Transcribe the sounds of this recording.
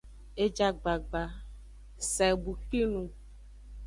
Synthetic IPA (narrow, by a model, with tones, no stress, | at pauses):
e˦d͡ʒa˦ɡ͡ba˨ɡ͡ba˨ | sɛ˨bu˨k͡pi˦nũ˦